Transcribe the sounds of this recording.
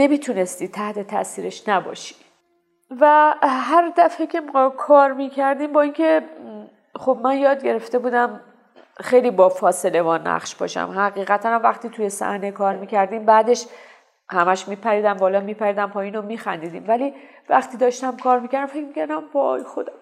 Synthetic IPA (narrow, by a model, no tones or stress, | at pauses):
ne̞miːt̪ʰune̞st̪iːt̪ʰæht̪e̞t̪ʰæ̰siːɾe̞ʃnæbɒ̰ːʃi̥ | væɦæɾd̪æfecʰe̞mɒkʰɒːɾmiːcʰæɾd̪iːmbɒːiːncʰe̞ | xobmænjɒːd̪̚ɟe̞ɾe̞ft̪e̞buːd̪æm | xe̞jliːbɒːfɒːse̞le̞vɒːnæ̰χʃb̥ɒ̰ʃæ̰mɦæɣiːɣæt̪ʰænæmvæχt̪iːt̪ʰuje̞sæ̰hne̞kʰɒːɾmiːkʰæɾd̪iːmbæːd̪e̞ʃ | hæmæʃmiːpʰæɾiːd̪æmbɒːlɒːmiːpʰæɾiːd̪æmpʰɒːjiːnomiːxænd̪iːd̪ḭːmvæliː | væχt̪ʰiːd̪ɒːʃt̪æmkʰɒːɾmiːcʰæɾd̪æmfe̞cmicʰæɾd̪æmbɒɒ̰jxo̞d̪æm